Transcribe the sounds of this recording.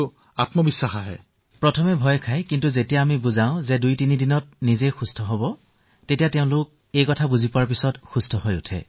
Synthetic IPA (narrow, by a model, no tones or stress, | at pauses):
a̰tmɔbisːaxaɦɛ̰ | pɹɔtʰɔmɛbʱɔjɔkʰajkintuzetijaːmibuzaʊ̃zɛdujtinidinɔt̚nizejxustʰɔɦɔbɔ | tetijatɛʊ̃lʊk̚ | ejkɔtʰabuzipɔaɹp̬isɔtxustʰɔɦɔjṵtʰɛ̰